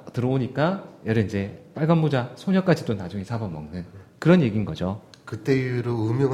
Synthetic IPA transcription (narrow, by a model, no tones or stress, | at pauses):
tɯɾʌboɲik͈ajʌɾɯind͡ʑe̞p͈aɭɡanmod͡ʑasʰoɲʌk͈ad͡ʑit͈onad͡ʑuŋisʰabʌmːʌŋnɯnkɯɾʌnje̞ɡinɡʌd͡ʑokɯt͈eɾoɯmjʌŋ